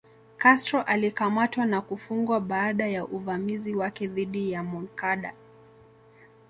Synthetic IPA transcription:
kastɾɔʔalikamatwanakufuŋɡwaɓaːɗajaʔuvamiziwakɛðiɗijamunkaɗa

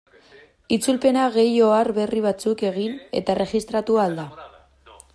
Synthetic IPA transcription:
it͡sulpe̞naɣe̞jo̞arβe̞riβ̞at͡suke̞ɣ̞ine̞̰t̪are̞ɣist̪ɾat̪uald̪a

